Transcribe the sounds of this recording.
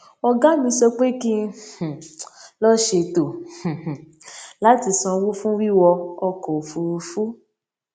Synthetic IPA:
ɔ˧ɡa˦mĩ˧sɔ˧k͡pe˦ki˦h̩˨lɔ˦ʃe˧to˨h̩˨h̩˨ | la˦ti˧sɔ̃˧wo˦fũ˦wi˦wɔ˧ɔ˧kɔ˨fu˧fu˦

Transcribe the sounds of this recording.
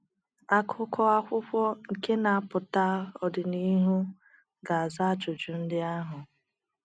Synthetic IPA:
a˦kʰʊ˦kʰɔ˦a˦kʷʊ˦kʷɔ˦ŋ̩˨ke˦na˨a˦pʊ˨ta˦ɔ˨dɪ˨ni˦ɦu˦ | ɡa˨a˨za˦a˦t͡ʃʊ˨d͡ʒu˨n̩˦dɪ˦a˦ɦʊ˨

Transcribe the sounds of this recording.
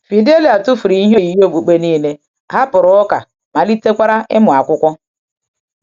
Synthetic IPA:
fi˨de˦li˨a˨tu˦fu˨ɾi˨i˦ɦe˦i˨˦ɦo˦˨ɡ͡bu˨k͡pe˦niː˦le˦ | ɦa˦pʊ˨ɾʊ˨˦ɔ˦ka̰˨ | ma˨li˦te˦kʷa˦ɾa˦ʔɪ̰˦mʊ˨a˨kʷʊ˦kʷɔ˦

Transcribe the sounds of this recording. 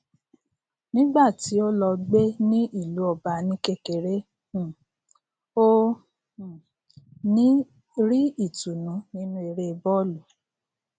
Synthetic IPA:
nĩ˦ɡ͡ba˦˨ti˨˦o˦lɔ˧ɡ͡be˦nĩ˦ʔi˦˨lu˨˦ɔ˨ba˧nĩ˦ke˦˨ke˨ɾẽ˦˨ | õ˦˨ | nĩ˦ | ɾi˦i˦˨tu˨nũ˨˦nĩ˦nũ˦e˨˧ɾe˦˧bɔ˦lu˨

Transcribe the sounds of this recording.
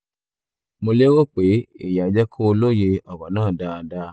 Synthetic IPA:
mõ˧le˦wo˦˨k͡pe˨˦ḛ˦˨ja˨d͡ʒɛ˦kʰo˦˧lo˦˨je˧ɔ˨wa˨nãː˦˨da˦˨da˦

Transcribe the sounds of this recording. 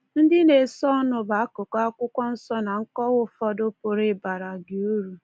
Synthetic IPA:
n̩˦dɪ˦ne˨sɔ˦nʊ˨ba˨a˦kʊ˨ka˦kʷʊ˦kʷɔ˦n̩˦sɔ˦na˨ŋ̩˦kɔ˦wʊ˦fɔ˦dʊ˦po˨ɾe˦ba˨ɾa˨ɡɪ˨u˦ɾu˨

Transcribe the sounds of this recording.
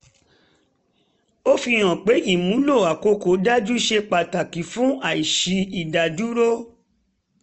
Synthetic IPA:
o˦fi˧j̃ɔ̃˨k͡pe˨˦ji˦˨mũ˨˦lo˦˨a˨ko˧ko˨˦da˦d͡ʒu˦ʃe˧k͡pa˨ta˨ki˨fũ˦a˨i˨ʃi˧i˨da˨d͡ʒu˨˦ɾo˦

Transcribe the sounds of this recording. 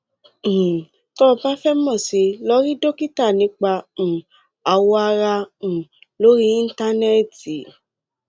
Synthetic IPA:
tɔ˦˧ba˦fɛ˦mɔ̃˦˨si˨˧lɔ˦ɾi˦do˦ki˦ta˦˨nĩ˨˧˦k͡pã˧˨ | a˧wɔ˧˦a˧ɾã˧˨ | lo˦ɾi˦ĩ˦n̩˦ta˦nɛ˦˨ti˨

